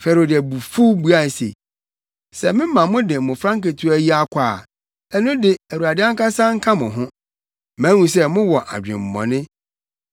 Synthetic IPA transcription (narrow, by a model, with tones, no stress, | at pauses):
fɛ˨ɾo˨dɪ˨æ˨bu˨fu˦bu˦a˦˨sḛ˨ | sɛ˨mɪ̃˦mã˨mʊ̃˦dɪ˨mʊ̃˨fɾã˦ŋke˨tʰu˦æ˦ji˦a˦kʰʷaː˨ | ɛ˦nʊ̃˦dɪ˨æ˨u˨a˨dɪ˦a˦ŋ˦ka˦sã˦ŋ̩˦kʰa˦mʊ̃˨ɦʊ̃˦ | mæ̃˨˦wũ˨s̬ɛ˦mʊ̃˦wɔ˨ʔa̰˨d͡ʑᶣɪ̰̃˨m̩˨mɔ̰̃˨nɪ̃˦